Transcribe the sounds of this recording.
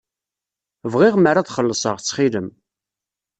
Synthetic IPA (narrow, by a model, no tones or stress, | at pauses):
vʁɪʁməɾaðχəlːəsˤəʁt͡sːχiləm